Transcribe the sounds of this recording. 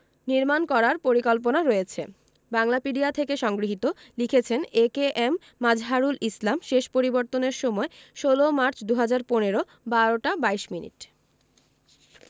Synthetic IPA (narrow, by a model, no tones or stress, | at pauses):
niɾmankɔɾaɾpoɾikɔlp̬onaɾɔet͡ɕʰḛ | baŋlapiɖiat̪ʰekeʃɔŋɡɾiɦit̪o | likʰet͡ɕʰenekeʔemːad͡ʑʱɦaɾulʔislamʃeʃpoɾiboɾt̪oneɾʃɔmɔeʃolomaɾt͡ɕd̪uɦad͡ʑaɾponeɾo | baɾoʈabaiʃminḭʈ